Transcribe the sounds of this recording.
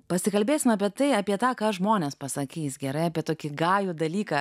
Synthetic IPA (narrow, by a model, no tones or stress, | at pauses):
pɐsʲɪkɐlʲbʲeːsʲɪmɑːpʲiɛt̪ɐɪɑːpʲiɛt̪ɑːkɑːʒmoːnʲeːspɐsɐkʲiːsɡʲɛɾɐɪɑːpʲiɛt̪oːkʲɪɡɑːjuːd̪ɐlʲiːkɐː